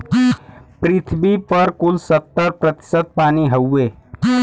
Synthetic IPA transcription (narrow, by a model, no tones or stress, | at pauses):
pɾɪt̪ʰbipəɾkulsət̪ːəɾpɾət̪ɪ̥səd̪̚paːniɦəwːe